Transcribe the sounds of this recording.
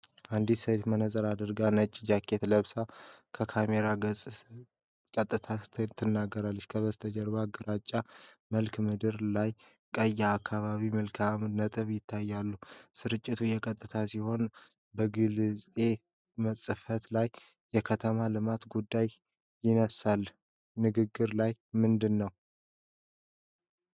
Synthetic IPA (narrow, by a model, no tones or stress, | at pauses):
ʔand̪isəɾt̪mənəsʼəɾad̪ɨɾɡanət͡ʃʼd͡ʒakʰːe̞t̪ləβsakʰəkʰame̞ɾaɡəsʼ | kʼət̪ʼːɨt̪ʰat̪ʰːɨnːaɡːəɾalːəʃkʰəβəst̪ʰəd͡ʒəɾβaɡəɾat͡ʃʼːaməlkmɨd̪ɨɾlaj | kʼəjːaːkʰːaβaβimɨlkʰamnət̪ʼɨβjɪt̪ʰːajːalːusɨɾɨt͡ʃʼːit̪ʰujɛkʼət̪ʼːɨt̪ʰasiho̞n | bəɡɨlzt̪ʼe̞ | məsʼɨfət̪lajː | ɛkʰət̪ʰəmalɨmat̪ɡud̪ːaj | jɪnəsalː | nɨɡɨɡːɨɾlajmɨnd̪ɨnːəw